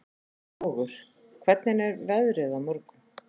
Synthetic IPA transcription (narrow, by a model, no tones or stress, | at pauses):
ɣʏɾ̥ | kʰvɛt̪nɪnɛɾvɛðɾɪðamɔɾkʏ